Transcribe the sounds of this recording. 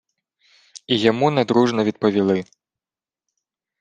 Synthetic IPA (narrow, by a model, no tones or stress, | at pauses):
ijamunad̪ɾuʐnɐvʲit̪̚pɐvʲilˠɨ